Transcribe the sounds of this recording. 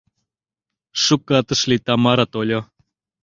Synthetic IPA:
ʂukːat̪ə̆ʃlʲit̪amaɾat̪olʲo

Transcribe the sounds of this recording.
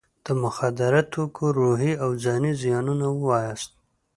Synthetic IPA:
d̪̥əmʊxad̪ɪɾat̪ʰokʰoɾuɦiawzɑnizijɑnunawwɑjast̪̚

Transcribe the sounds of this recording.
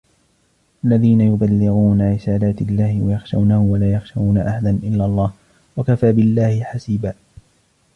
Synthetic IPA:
ʔalːaðiːnajʊbalːɪɣuːnaɾɪsaːlaːt̪lːaːhɪwajɑxʃa̰wnahʊwalaːjɑxʃawnaʔahad̪anʔɪlːalˤːɑːh | wakafaːbɪlːaːhɪħasiːbaː

